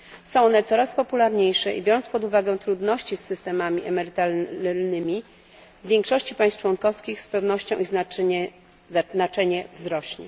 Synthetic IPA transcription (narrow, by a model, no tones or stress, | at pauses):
sɔ̃w̃ɔnɛt̪sɔɾaspɔpulaɾɲejʂɛʔḭbʲjɔɾɔnt̪spɔd̪uvaɡɛ̃t̪ɾud̪nɔɕt͡ɕisːɘst̪ɛmamʲiʔɛmɛɾɘt̪alnɘmʲi | vːʲjeŋkʂɔɕt͡ɕipajst͡ʂwɔŋkɔfskʲixspɛwnɔɕt͡ɕɔ̃w̃iznaɛ | anat͡ʂɛɲɛvzɾɔɕɲɛ̰